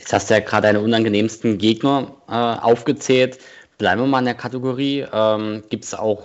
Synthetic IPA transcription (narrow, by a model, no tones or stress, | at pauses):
jɛt͡shastd̥ujaːɡʁaːdədaɪnəʔʊnanɡəneːmstn̩ɡeːɡnɐʔɛːʔa̰ʊfɡ̥ət͡sɛːlt | b̥laɪbm̩viɐmaːlɪndeːɐkʰatɪɡoʁiːʔɛːmɡ̥iːptsa̰ʊx